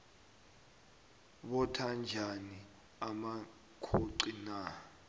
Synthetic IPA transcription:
ɓɔtʰand͡ʒʱani | ama | kʰoǀina

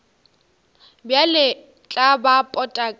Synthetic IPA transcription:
bjalɪ | t͡ɬʼabapʼɔtʼakʼ

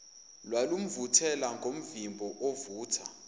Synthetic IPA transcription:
lwalum̩vutʰɛlaŋɡʱom̩vimbʱɔʔovuːtʰa

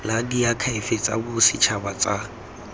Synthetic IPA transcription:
ladiakʰaɪfet͡sʼa̰bʊsɪt͡ʃʰabat͡sʼa

